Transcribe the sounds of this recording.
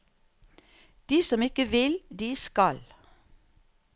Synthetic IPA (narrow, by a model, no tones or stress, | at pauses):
d̪̥iːsɔmɪkəʋɪld̪iːskɑl